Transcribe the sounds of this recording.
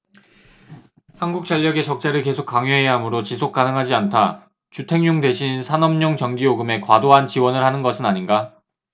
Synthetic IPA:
hanɡuk̚t͡ɕ͈ʌʎːʌɡe̞t͡ɕʌk̚t͡ɕ͈eɾɯɭke̞sʰok͈aŋjoɦe̞ɦamɯɾot͡ɕisʰok͈̚anɯŋɦad͡ʑiantʰa | t͡ɕutʰe̞ŋɲoŋde̞ɕʰinnsʰanʌmɲoŋt͡ɕʌŋɡioɡɯme̞kwadoɦant͡ɕiwʌnɯɭhanɯnɡʌsʰɯnaɲinɡa

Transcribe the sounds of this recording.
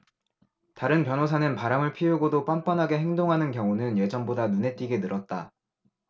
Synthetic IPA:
taɾɯnpjʌnosʰanɯnpaɾamɯɭpʰiuɡodop͈amp͈anɦaɡe̞ɦe̞ŋdoŋɦanɯnkjʌŋunɯnje̞d͡ʑʌnbodanune̞t͈iɡe̞nɯɾʌt̚t͈a

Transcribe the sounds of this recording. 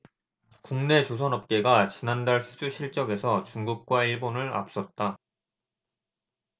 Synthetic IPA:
kuŋne̞t͡ɕosʰʌnɦʌp̚k͈e̞ɡat͡ɕinandaɭsʰud͡ʑuɕʰiɭt͡ɕ͈ʌɡe̞sʰʌt͡ɕuŋɡuk̚k͈waiɭbonɯɭa̰p̚s͈ʌt̚t͈a

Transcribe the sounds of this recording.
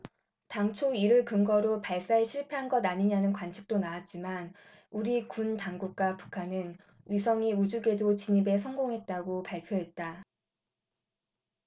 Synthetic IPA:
taŋt͡ɕʰoiɾɯɭkɯmɡʌɾopaɭs͈aɦeɕʰiɭpʰeɦanɡʌdaɲiɲanɯnkwant͡ɕʰi̥k̚t͈onawat̚t͡ɕ͈iman | uɾikuntaŋɡuk̚k͈wapu̥kʰanɯn | ɥisʰʌŋiud͡ʑuɡe̞dot͡ɕiɲibe̞sʰʌŋɡoŋɦe̞t̚t͈aɡopaɭpʰjoɦe̞t̚t͈a

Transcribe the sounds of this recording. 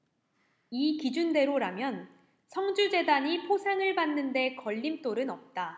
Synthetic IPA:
ikid͡ʑunde̞ɾoɾamjʌn | sʰʌŋd͡ʑud͡ʑe̞daɲipʰosʰeŋɯɭbanːɯnde̞kʌʎːimt͈oɾɯnʌp̚t͈a

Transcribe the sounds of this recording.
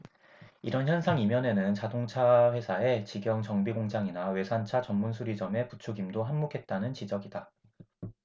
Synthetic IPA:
iɾʌnçjʌnsʰaŋimjʌne̞nɯnt͡ɕadoŋt͡ɕʰaɸwe̞sʰae̞t͡ɕiɡjʌŋt͡ɕʌŋbiɡoŋd͡ʑaŋinawe̞sʰant͡ɕʰat͡ɕʌmːunsʰuɾid͡ʑʌme̞put͡ɕʰuɡimdoɦammokʰe̞t̚t͈anɯnt͡ɕid͡ʑʌɡida

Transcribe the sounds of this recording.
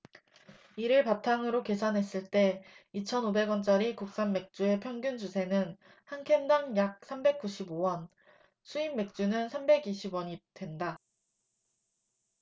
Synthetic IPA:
iɾɯɭpatʰaŋɯɾoke̞sʰanɦe̞s͈ɯɭt͈e̞it͡ɕʰʌnobe̞ɡʌnt͡ɕ͈aɾikuk̚s͈anme̞k̚t͡ɕ͈ue̞pʰjʌŋɡjund͡ʑusʰe̞nɯn | hankʰendaŋjak̚sʰambe̞k̚k͈uɕʰibowʌn | sʰuimːe̞k̚t͡ɕ͈unɯnsʰambe̞ɡiɕʰibwʌɲid̥we̞nda

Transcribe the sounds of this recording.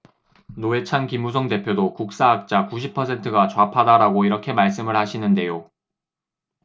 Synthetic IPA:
noe̞t͡ɕʰankimusʰʌŋde̞pʰjodokuk̚s͈aːk̚t͡ɕ͈akuɕ̬ʰipʰʌsʰe̞ntʰɯɡat͡ɕoapʰadaɾaɡoiɾʌkʰe̞maɭs̬͈ɯmɯɭhaɕʰinɯnde̞jo

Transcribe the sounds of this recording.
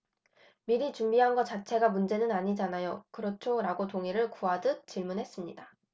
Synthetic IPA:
miɾit͡ɕumbiɦanɡʌt͡ɕat͡ɕʰe̞ɡamund͡ʑe̞nɯnaɲid͡ʑanajokɯɾʌt͡ɕʰoɾaɡotoŋiɾɯɭkuadɯk̚t͡ɕiɭmunɦe̞s͈ɯmɲida

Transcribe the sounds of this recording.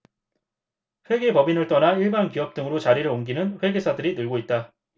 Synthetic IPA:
ɸwe̞ɡepʌbinɯɭt͈ʌnaiɭbankijʌp̚t͈ɯŋɯɾot͡ɕaɾiɾɯɭoŋɡinɯnɸwe̞ɡe̞sʰadɯɾinɯɭɡoit̚t͈a

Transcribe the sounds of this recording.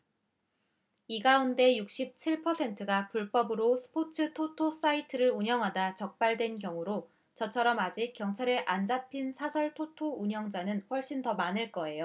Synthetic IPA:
iɡaunde̞juk̚ɕ͈ip̚t͡ɕʰiɭpʰʌsʰe̞ntʰɯɡapuɭp͈ʌbɯɾosʰɯ̥pʰotʰɯtʰotʰos͈aitʰɯɾɯɾuɲʌŋɦadat͡ɕʌk̚p͈aɭdwe̞nkjʌŋuɾo | t͡ɕʌt͡ɕʰʌɾʌmad͡ʑik̚k͈jʌŋt͡ɕʰaɾe̞ʔand͡ʑapʰinsʰasʰʌɭtʰotʰouɲʌŋd͡ʑanɯnɸwʌɭɕ͈intʌmanɯɭk͈ʌe̞jo

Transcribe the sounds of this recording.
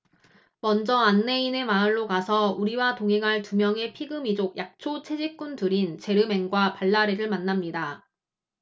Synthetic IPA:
mʌnd͡ʑʌanːe̞ine̞maɯɭːokasʰʌuɾiwatoŋɦe̞ŋɦaɭtumjʌŋe̞pʰiɡɯmid͡ʑok̚jak̚t͡ɕʰot͡ɕʰe̞d͡ʑik͈untuɾint͡ɕe̞ɾɯme̞ŋɡwapaɭːaɾeɾɯɭmanːamɲida

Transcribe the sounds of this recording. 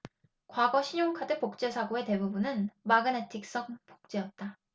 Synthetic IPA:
kwaɡʌɕʰiɲoŋkʰadɯpok̚t͡ɕ͈esʰaɡoe̞te̞bubunɯnmaɡɯnetʰik̚s͈ʌŋpo̥k̚t͡ɕ͈e̞jʌt̚t͈a

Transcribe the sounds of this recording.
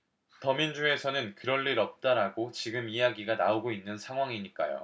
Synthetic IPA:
tʌmind͡ʑue̞sʰʌnɯnkɯɾʌɭːiɾʌp̚t͈aɾaɡot͡ɕiɡɯmijaɡiɡanaoɡoinːɯnsʰaŋɦwaŋiɲik͈a̰jo̰

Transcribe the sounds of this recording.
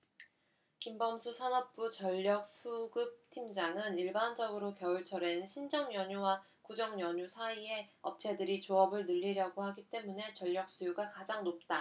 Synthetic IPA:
kimbʌmsʰusʰʌnʌp̚p͈ut͡ɕʌʎːʌk̚sʰuɡɯp̚tʰimd͡ʑaŋɯniɭband͡ʑʌɡɯɾokjʌuɭt͡ɕʰʌɾe̞nɕʰind͡ʑʌŋjʌɲuwa | kud͡ʑʌŋjʌɲusʰaie̞ʌp̚t͡ɕʰe̞dɯɾit͡ɕoʌbɯɭnɯʎːiɾjaɡohaɡit͈e̞mune̞t͡ɕʌʎːʌk̚s͈ujuɡakad͡ʑaŋnop̚t͈a

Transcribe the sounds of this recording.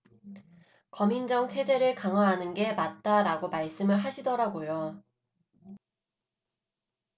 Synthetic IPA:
kʌmind͡ʑʌŋt͡ɕʰe̞d͡ʑe̞ɾɯɭkaŋɦwaɦanɯnɡe̞mat̚t͈aɾaɡomaɭs͈ɯmɯɭɦaɕʰidʌɾaɡojo

